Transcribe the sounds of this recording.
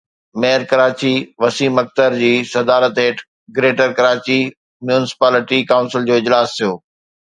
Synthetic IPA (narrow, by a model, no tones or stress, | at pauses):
meːəɾkɐɾaːt͡ɕiʋɐsiːmɐk̚t̪əɾd͡ʑiːsɐd̪aːɾət̪eːʈ | ɡɾeːʈəɾkɐɾaːt͡ɕi | mjuːnɪsɪ̥paːlɪʈikaːʊ̃nsɪld͡ʑoːɪd͡ʑlaːst̪ʰijoː